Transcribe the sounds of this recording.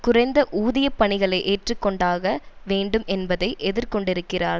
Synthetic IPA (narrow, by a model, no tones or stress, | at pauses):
kʊrɐɪnd̪ɐʔuːðɐjɐpːɐɳɪɣɐɭɐɪʔeːʈrɯkːɔɳɖaːɣɐʋeːɳɖɯmʔɛnbɐðɐɪʔɛðɪɾkɔɳɖɪɾɯkːɪraːɾ